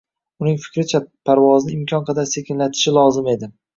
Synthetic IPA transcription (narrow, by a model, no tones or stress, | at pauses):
ʊnɪŋfɪ̥kʲɾɪt͡ʃʰapʰaɾvɒznɪɪmkʰʲɒnqʰɑd̪aɾse̞kʲɪnlat̪ʰɪ̥ʃɪlˠɒzɪme̞d̪ɪ